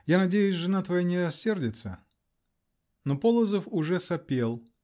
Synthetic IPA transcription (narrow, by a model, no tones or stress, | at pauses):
janɐdʲejʊsʲʐɨnat̪vɐjanʲɪɐsʲe̞rdʲɪt̪sə | nopolˠəzəfʊʐɛsɐpʲe̞lˠ